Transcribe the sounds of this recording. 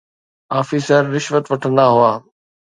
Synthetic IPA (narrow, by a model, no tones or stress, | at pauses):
aːfiːsəɾːɪʃʋət̪ʋɐʈʰə̃nd̪aɦʊaː